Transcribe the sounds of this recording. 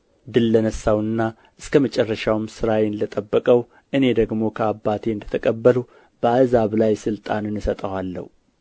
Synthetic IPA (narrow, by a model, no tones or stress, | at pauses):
d̪ɨlːənəsːawɨnːa | ʔɨskʰəmət͡ʃʼɛrːəʃawmsɨɾawenlət̪ʼəbːəkʼəw | ʔɨne̞d̪əɡmo̞kʰəabːat̪ʰeɨnd̪ət̪ʰəkʼəbːəlu | b̥əazaβlajsɨlt̪ʼa̰nɨnɨsət̪ʼəwalːə̰hu